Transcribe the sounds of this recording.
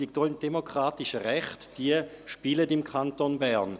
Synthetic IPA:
ik̚d̥oɪmd̥emokʁ̥aːtiʃəʁɛχtd̥iəʃpiːlədɪmkʰantonbɛɾn

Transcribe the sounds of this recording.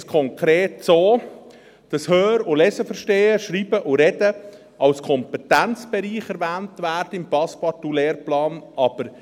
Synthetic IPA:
skʰɔŋkɾeːtsoː | d̥ɑshøːɾʊlɛsəfəɾʃteːəʃɾiːbəʔʊɾɛdə | ɑlskʰɔmpɛtænt͡sb̥ɛɾiːχɛɾvæːntvæːɾdəɪmpɑspɑtuleːɾplɑːnɑb̥əɾ

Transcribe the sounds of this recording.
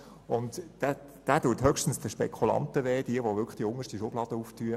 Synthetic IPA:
ʊntd̥æ | d̥æːtuːthœkʃtən̩sd̥̪əʃpɛkʰulɑ̰ntəʋɛːd̥iəʋoʋʏɾkχd̥iʊŋəʃtiʃʊb̥lɑːd̥əuːftyːə

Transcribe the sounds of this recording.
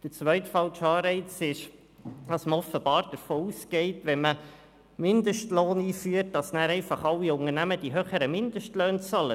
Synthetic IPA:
d̥ət͡svœʏtfɑlʃɑːɾɛɪt͡sɪʃ | dɑsməɔfəb̥ɑːɾd̥əɾfoːuːsɡ̥ɛɪtʋɛnmə | mɪnd̪əʃtloːniːfyət̚d̥ɑsnæːɾɛɪfɑχɑlːiʊŋəɾnæməd̥iɦøːχəɾəmɪnd̥əʃtløːnt͡sɑlə

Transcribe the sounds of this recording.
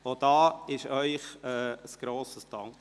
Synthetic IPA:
od̥̪ɑːɪʃœʏχɛːəsɡ̥ɾoːsəsd̥ɑŋk

